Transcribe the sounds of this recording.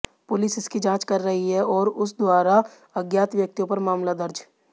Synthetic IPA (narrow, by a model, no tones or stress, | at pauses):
pʊlɪsɪskid͡ʒãːt͡ʃkɐɾːɐɦiɦɛɔːɾʊsd̪waːɾa | ɐɡjaːt̪ʋjɐk̚t̪ijõpɐɾmaːmlad̪ɐɾd͡ʒ